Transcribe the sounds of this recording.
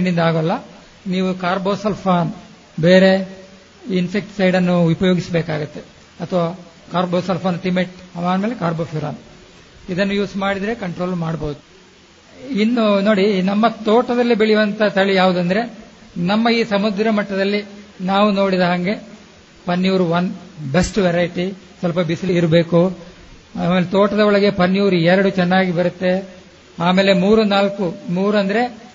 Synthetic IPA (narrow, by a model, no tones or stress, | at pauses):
ɳɖind̪aːɡɐlːɐ | niːʋukaːɾboːsɐlpʰaːn | beːɾe̞ | insek̚ʈsɐjɽɐnːuupɐjoːɡisbeːkaːɡut̪ːe̞ | ɐt̪ʰɐʋaː | kaːɾboːsɐlpʰaːnʈimeʈɐmaːnmeːlekaːɾboːpʰuɾa̰ːn | id̪ɐnːujuːsmaːɽid̪ɾe̞kɐɳʈɾo̞ːlmaːɽboud̪u | inːuno̞ːɽinɐmːɐt̪oːʈɐd̪ɐlːibeɭijuʋɐnt̪ɐt̪ʰɐɭijaːʋud̪ɐnd̪ɐɾe̞nɐmːɐiːsɐmud̪ɾɐmɐʈːɐd̪ɐlːinaːʋuno̞ːɽid̪ɐɦɐŋɡe̞ | pɐnːjuːɾuʋɐnbesʈʋɛɾɐjʈi | sɐlpɐbisliiɾbe̞ːku | aːmeːlet̪oːʈɐd̪ɐɔɭɐɡe̞pɐnjuːɾuɛɾɐɽut͡ʃɛnːaːɡibɐɾut̪ːe̞ | aːmeːle̞muːɾunaːlkumuːɾɐnd̪ɐɾe̞